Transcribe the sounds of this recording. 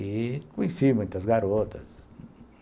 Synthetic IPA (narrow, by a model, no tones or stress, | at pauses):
ikuisimẽnt̪asɣaɾot̪ʰa̰s